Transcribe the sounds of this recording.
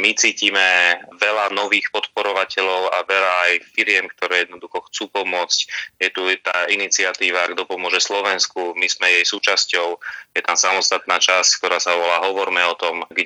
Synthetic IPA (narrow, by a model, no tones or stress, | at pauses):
mit͡siːciːmɛʋɛlanɔʋiːxpɔt̪pɔɾɔʋacɛʎɔʊaʋɛʎaːjfiɾɪɛmkt̪ɔɾɛːjɛd̪nɔd̪uxɔxt͡suːpɔmʊɔt͡scjɛt̪ut̪aːinit͡sɪat̪iːʋaɡd̪ɔpɔmʊɔʒɛslɔʋɛnskumizmɛjɛjsuːt͡ʃascɔʊjɛt̪amsamɔst̪at̪naːt͡ʃasck̚t̪ɔɾaːsaʋɔlaːɦɔʋɔɾmɛɔt̪ɔmɡ